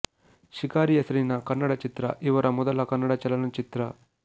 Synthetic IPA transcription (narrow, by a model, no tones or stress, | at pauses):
ʃikaːɾijɐsɾiːnɐkɐnːɐɽɐt͡ʃit̪ɾɐ̰ʔiʋɐɾɐmɔd̪ɐlɐkɐnːɐɽɐt͡ʃɐlɐnɐt͡ʃit̪ɾɐ